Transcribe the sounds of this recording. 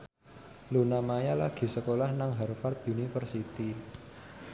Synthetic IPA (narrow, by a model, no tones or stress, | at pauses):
lunamajalaɡ̥i̤səkolahnaŋɦarfart̪̚unifərsit̪i